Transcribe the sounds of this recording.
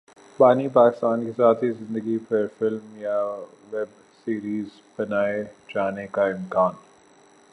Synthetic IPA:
baːnipaːkɪ̥st̪aːnkesaːt̪ʰɦizɪ̃nd̪əɡipɐɾfɪlmja | ʋɛb | siːɾiːz | bɐnaːed͡ʒaːnekaɪmkaːn

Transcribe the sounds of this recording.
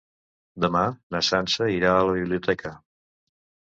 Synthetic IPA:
d̪əmanəsansəiɾaələβiβliut̪ɛkʰə

